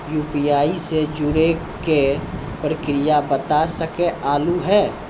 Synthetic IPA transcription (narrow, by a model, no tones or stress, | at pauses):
juːpiaːised͡ʒʊɾe | ke | pɾəkɾɪjabət̪asəkeaːluɦɛː